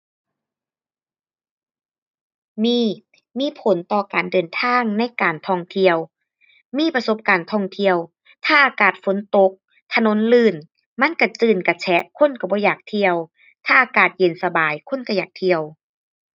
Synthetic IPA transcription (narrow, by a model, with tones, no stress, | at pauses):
miː˧˥˩ | miː˧˥˨pʰo˨˦nt̪ɔː˧˩kaː˨˩ndɤː˨˩nt̪ʰaː˧˥˨ŋna˧˥˨jkaː˨nt̪ʰɔː˧˩ŋt̪ʰi˧˩əw | miː˧˥˨pa˧so˧˦p̚kaː˨˩nt̪ʰɔː˧˩ŋt̪ʰi˧əw | t̪ʰaː˧˩ʔaː˧kaː˨˩t̪̚fo˨˦nt̪o˧˦k̚ | t̪ʰa˧no˧˥˦nlɯː˧˩n | ma˧˥˨nka˧˩t͡ɕɯː˧˩nka˧˩t͡ɕʰɛ˧˥ʔkʰo˧˥˨nka˧˩bɔː˧˦jaː˨˩k̚t̪ʰi˧əw | t̪ʰaː˧˩ʔaː˨˧˩kaː˨˩t̪̚je˨˩˨nsa˧baː˨˩jkʰo˧˥˨nka˧˩jaː˨˩k̚t̪ʰi˧əw